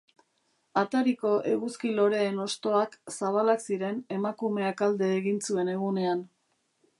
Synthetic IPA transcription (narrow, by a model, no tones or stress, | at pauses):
at̪aɾiko̞ʔe̞ɣuskilo̞ɾe̞ːno̞st̪o̞aksaβ̞alaksiɾe̞ne̞makume̞akald̪e̞ːɣint͡sue̞ne̞ɣune̞an